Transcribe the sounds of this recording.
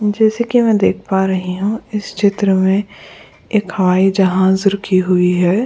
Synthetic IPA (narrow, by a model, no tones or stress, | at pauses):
d͡ʒɛːsekimɛ̃ːd̪eːkʰpaɾɐɦiɦũɪst͡ʃʰɪt̪ɾəmẽ | eːkhɐʋaːid͡ʒɐɦãzʊɾkʰiɦʊiɦɛː